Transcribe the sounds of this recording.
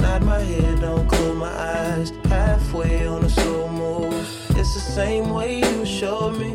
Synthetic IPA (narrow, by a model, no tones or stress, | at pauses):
naɪt̚maɪɦɛdõʊ̃nkʰʊmaɪʔaɪz̥pʰæfweɪə̃nəsomo | d͡ʒʌsðəsẽɪ̃mweɪjjɨʃoʊmi